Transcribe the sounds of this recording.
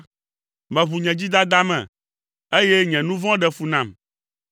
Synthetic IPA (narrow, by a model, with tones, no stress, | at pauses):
mɛ̃˨βu˨ɲɛ̃˨d͡ʑi˦d̪a˦d̪a˦mɛ̰̃˨ | e˦je˦ɲɛ̃˨nũ˦vɔ̃˦ɖɛ˨fu˨nã˨m